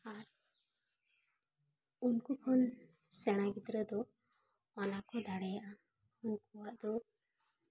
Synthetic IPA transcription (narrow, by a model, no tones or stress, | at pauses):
aɾ | unkukʰɔn | sɛɽ̃aɡid̪ɾəd̪ɔ | ɔnakɔd̪aɽɛjaʔa | unkuwaʔd̪ɔ